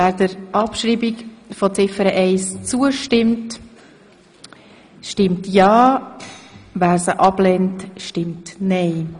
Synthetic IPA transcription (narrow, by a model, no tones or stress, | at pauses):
væːɾdəɾʔɑpʃɾiːbikfɔt͡sɪfəɾəʔɛɪst͡suəʃtɪmt | ʃtɪmtjɑː | væːɾsəʔɑb̥lɛntʃtɪmtnɛɪ